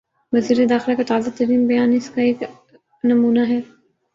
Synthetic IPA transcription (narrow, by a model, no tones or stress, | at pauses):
ʋɐziːɾed̪aːxɪlakat̪aːzat̪ɐɾiːmbɐjaːnɪskaeːk | nɐmuːnaɦɛː